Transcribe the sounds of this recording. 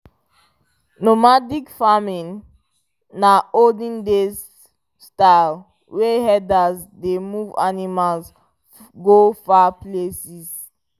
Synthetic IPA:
nomadikfamĩnː | aoldĩndes | staɪl | weɦɛdazdemuva̰nimals | ɡofaplesis

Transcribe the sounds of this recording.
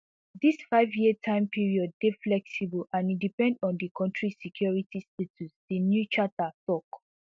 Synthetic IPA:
disfaɪvjitʰãɪ̃mpiɹiɔd̚ːeflɛksibulãnidipɛ̃ndɔ̃ndikʰɔ̃ntɹisikʰjɔɹitistetʰusd̥injut͡ʃatatɔk

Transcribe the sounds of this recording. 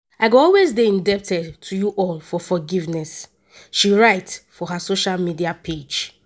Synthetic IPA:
aɪɡoɔlwezdeĩndɛp̚tɛdtʰujuʔɔlfɔfɔɡivnɛs | ʃiɹaɪtsfɔɦasoʃalmidiapʰed͡ʒ

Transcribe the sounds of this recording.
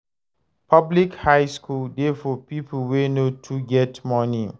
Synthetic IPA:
pʰʌblikhaɪskʰuldefɔpip̩ʰwenotʰuɡɛtmɔni

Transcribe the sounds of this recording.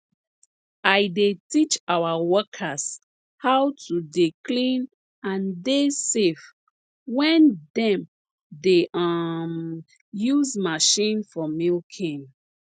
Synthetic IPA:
ajdetit͡ʃawawɔkʰas | hawtʰudiklĩn | ãndesef | wɛ̃ndɛ̃m | deʔʌm | juzmaʃĩnfɔmilkʰĩn

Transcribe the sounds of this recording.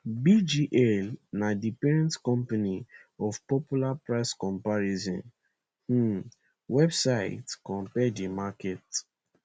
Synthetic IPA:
bid͡ʒiʔɛlnadipɛɹɛ̃ntkɔ̃mpaniɔfpɔpulapɹaɪskɔ̃mpaɹizɔ̰̃n̩ | wɛbsaɪtkɔ̃mpɛdimaket

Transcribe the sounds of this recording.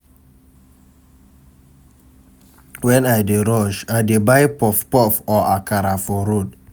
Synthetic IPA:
wɛ̃najdeɹɔʃajdebajpɔfpɔfɔʔakaɾafɔɾud̚

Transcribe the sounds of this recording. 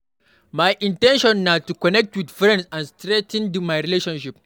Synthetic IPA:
majʔɪntɛnʃɔnːaːtukɔnɛk̚twɪdfɾɛ̃ndsʔanstɾɛtɪ̃ndmajɾileːʃɐnʃɪp̚

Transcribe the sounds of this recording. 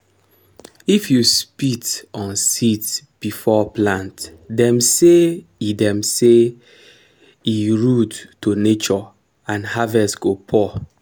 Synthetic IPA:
ifjuspitɔ̃nsitb̥ifɔplãntdɛ̃mseidɛ̃mse | iɹudtonet͡ʃɔ | ãnhavɛsɡopʰɔ

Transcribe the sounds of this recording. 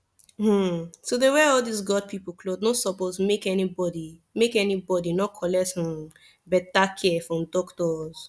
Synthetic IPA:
m̩sodewɛɔldisɡɔd̚pʰipoklodnõsɔpozmekɛnibɔdimekɛnibɔdinɔkʰɔlɛtsɔ̃n | bɛtakʰɛfɹɔ̃mdɔktɔz

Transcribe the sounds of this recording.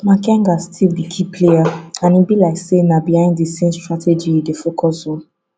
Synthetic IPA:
makʰɛ̃ŋɡastʰilbikʰipʰlejaãnibilaɪksenabihãɪ̃nddesẽmstɹatʰɛd͡ʒidefokʰɔsɔ̃n

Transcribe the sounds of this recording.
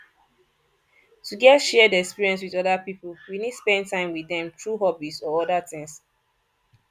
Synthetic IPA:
tuɡɛtʃɛədiɛkspiɹiɛ̃ns̬wiðɔdapipəlwinidspɛ̃n̚tãɪ̃mwiðɛ̃mtʰɹuɦɔbisɔɔdatɪ̃ŋs

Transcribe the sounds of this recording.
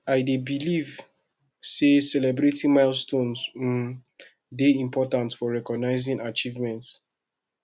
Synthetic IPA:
aɪdebiliv | sesɛlɛbɹetĩmaɪlstõnzũ | deĩmpɔtãntfɔɹɛkɔɡnaɪzĩnat͡ʃivmɛ̃nts

